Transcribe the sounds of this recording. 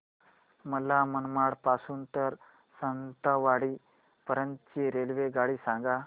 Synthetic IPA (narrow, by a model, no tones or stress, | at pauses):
məlamənmaɽpasuːnt̪əɾ | sənt̪aʋaɽiː | pəɾənt̪t͡ɕiɾelʋeɡaɽiːsãŋɡa